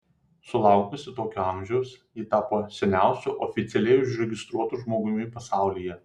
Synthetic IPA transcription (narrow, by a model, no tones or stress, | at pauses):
sʊlˠɑˑʊkʲʊsʲɪt̪oːkʲuːɑˑmʲʒʲɛʊsjiːt̪ɑːpoːsʲɛnʲæˑʊsʲuːˑʔɔfʲɪt̪sʲɛlʲɛɪʊʒʲɾʲɛɡʲɪst̪ɾuɔt̪uʒmoːɡʊmʲɪpɐsɑˑʊlʲiːjɛ